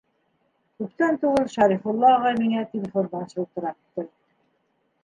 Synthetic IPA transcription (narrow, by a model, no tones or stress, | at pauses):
kʉp̚t̪ænt̪uʁɤlˠʃɑɾifulˠːɑːʁɑjmiŋæt̪ʲelʲɪfonb̪ɑnɕɤulˠt̪ɤ̆ɾɑp̚t̪ɘ